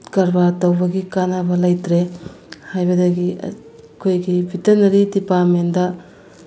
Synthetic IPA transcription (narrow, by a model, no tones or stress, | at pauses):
kɐɾbaɾtɐwbɐɡikanɐbɐlajtɾe | hajbɐdɐɡḭ | kʰojɡibʱitɐnɐɾidipaɾmendɐ